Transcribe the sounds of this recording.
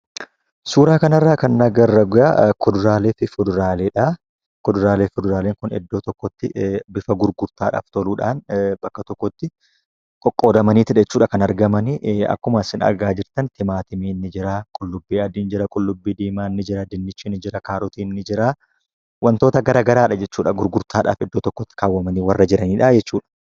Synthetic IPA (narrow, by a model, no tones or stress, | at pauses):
suːɾaːkɐnɐrːaːkɐnːɐɡɐrːɐɡʊja̰kʊd̪ʊɾaːleːfɪfʊd̪ʊɾaːleːᶑa | kʊd̪ʊɾaːleːfʊd̪ʊɾaːleːŋkʊnɛ̰d̪ːo̞ːt̪ɔkːɔt̪ːɪbɪfɐɡʊɾɡʊɾt̪aːᶑa̰ːft̪ɔluːᶑaːnbɐkːɐt̪ɔkːɔt̪ːɪ | kʼɔkʼːo̞ːd̪ɐmɐniːt̪ɪᶑɛt͡ʃːuːᶑɐkɐnɐɾɡɐmɐnɪʔɐ̰kːʊmɐsɪnɐ̰ɾɡaːd͡ʒɪɾt̪ɐnt̪ɪmaːt̪ɪmiːnːɪd͡ʒɪɾɐkʼʊlːʊbːiːɐd̪ɪnd͡ʒɪɾɐkʼʊlːʊbːiːd̪iːmaːnːɪd͡ʒɪɾɐd̪ɪnːɪt͡ʃːinːɪd͡ʒɪɾɐkaːɾɔt̪iːnːɪd͡ʒɪɾa | wɐnt̪o̞ːt̪ɐɡɐɾɐɡɐɾaːᶑɐd͡ʒɛt͡ʃːuːᶑɐɡʊɾɡʊɾt̪ʰaːᶑa̰ːfɛd̪ːoːt̪ɔkːɔt̪ːɪ̥kaːwːɐmɐniːwɐrːɐd͡ʒɪɾɐniːᶑad͡ʒɛt͡ʃːuːᶑɐ̥